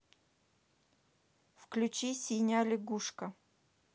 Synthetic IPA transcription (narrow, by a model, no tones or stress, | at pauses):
fklʲʉt͡ɕisʲinʲalʲɪɡuʂkə